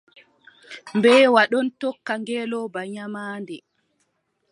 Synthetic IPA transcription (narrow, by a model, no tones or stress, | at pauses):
mbɛːwaɗɔntɔkːaŋɡɛːlɔbaɲamaːndɛ